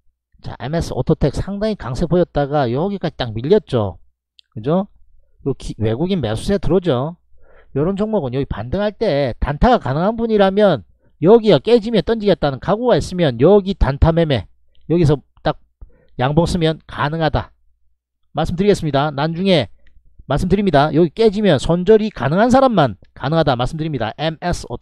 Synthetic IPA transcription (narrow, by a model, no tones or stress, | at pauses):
t͡ɕa̰ʔḛme̞s͈ʰɯo̰tʰotʰek̚sʰaŋdaŋikaŋsʰepojʌt̚t͈aɡajʌɡik͈ad͡ʑit͈ak̚miʎːʌt̚t͡ɕ͈o̰ | kɯd͡ʑo | jokʰiwe̞ɡuɡinmḛsʰusʰetɯɾʌd͡ʑo | jʌɾʌnd͡ʑʰʌŋmʌɡɯnjʌɡipa̰ndɯŋɦaɭt͈e̞tantʰaɡakanɯŋɦanbuɲiɾamjʌn | jʌɡiʌk͈e̞d͡ʑimjʌnt͈ʌnd͡ʑiɡet̚t͈anɯnkaɡuɡais͈ɯmjʌnjʌɡitantʰame̞me̞̰ | jʌɡis̬ʰʌ | t͈ak̚ | jaŋbʌŋs͈ɯmjʌnkanɯŋɦada̰ | maɭs͈ɯmdɯɾiɡe̞s͈ɯmɲidanand͡ʑuŋe̞ | maɭs͈ɯmdɯɾimɲidajʌɡik͈e̞d͡ʑimjʌnsʰond͡ʑʌɾika̰nɯŋɦans̬ʰaɾamːan | kanɯŋɦadamaɭs͈ɯmdɯɾimɲida̰ʔemesʰo̰